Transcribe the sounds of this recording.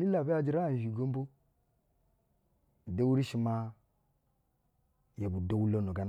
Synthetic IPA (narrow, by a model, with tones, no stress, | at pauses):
li˦la˨bi˦a˦d͡ʒi˦ɾa˦˨ʒi˨ɡo˦m˦bo˦˨ | de˦wu˦ɾi˦ʃi˨ma˦ | ja˨bu˨do˨˦wu˦lo˦no˨ɡa˨n